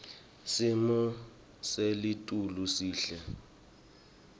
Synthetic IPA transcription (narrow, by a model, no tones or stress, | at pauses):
simɔ | selitʼulusiːɬɛ